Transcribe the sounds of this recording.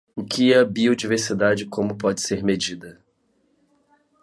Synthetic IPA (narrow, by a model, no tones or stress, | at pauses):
ʊkɪɐbiod͡ʒiveɾsid̪ad͡ʒɪkõmʊpɔd͡ʒɪ̥seɾmed͡ʒid̪ɐ